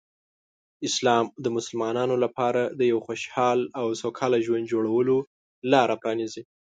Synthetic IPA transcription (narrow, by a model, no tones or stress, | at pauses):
ɪslɑmd̪əmʊsəlmɑnɑnolapɑɾad̪əjawxoʃhɑlawsokʰɑlaʒwand̪̚d͡ʒoɽawəlo | lɑɾapɾɑnizi